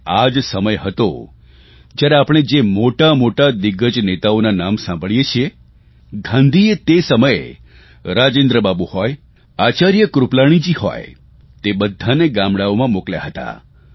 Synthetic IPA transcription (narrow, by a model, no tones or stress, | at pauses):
ad͡ʒsəməjɦət̪o̰ | d͡ʒjaɾeapɽ̃ed͡ʒemoʈamoʈad̪ɪɡəd͡ʒnet̪aonanamsãmbʱəɭjet͡ʃʰie | ɡʱãnd̪ʱiet̪esəməje | ɾad͡ʒẽnd̪ɾəbabuhɔj | at͡ʃaɾjəkɾuplaɽ̃id͡ʒihɔ̰j | t̪ebəd̪ʱːaneɡãmɽaomãmoklja̰ɦət̪a̰